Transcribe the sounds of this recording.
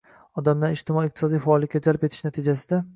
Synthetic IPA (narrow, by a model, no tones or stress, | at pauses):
ɒd̪amlaɾɪʃt̪ɪmɒiːqt̪ʰɪsɒd̪ijfaːlˠɪk̚ʲːad͡ʒalpet̪ʰɪ̥ʃnat̪ʰɪd͡ʒasɪd̪a